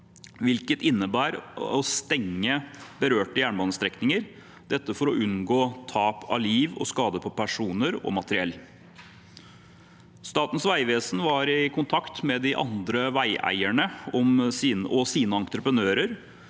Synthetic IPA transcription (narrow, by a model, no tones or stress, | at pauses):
ʋɪlkət̪ɪnːəbæːɾɔst̪ɛŋːəbəɾøːʈəjæːɳbɑnst̪ɾɛknɪŋəɾ | d̪̥ɛt̪ːəfɔɾɔʔʉnɡoːt̪ʰɑːpʰɑ̰liːʋɔ̰skɑːd̪əpʰɔpʰæʂuːnəɾɔ̰mɑt̪əɾɪɛlː | st̪ɑːt̪n̩sʋæɪʋeːsn̩ʋɑɾɪkʰʊnt̪ʰɑkt̪mɛd̪ɪʔɑ̰nd̪ɾəʋæɪʔæ̰ɪæɳəɔmsiːnɔsiːnəɑnt̪ɾəpɾənøːɾəɾ